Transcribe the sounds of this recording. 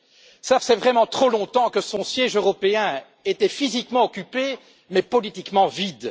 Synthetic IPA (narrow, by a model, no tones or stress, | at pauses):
safsɛvʁɛmɑ̃t̪χolɔ̃t̪ɑ̃kəsɔ̃sjɛʒøʁɔpeɛ̃ | et̪ɛfizikmɑ̃ɔkʲype | mɛpɔlit̪ikmɑ̃vid̪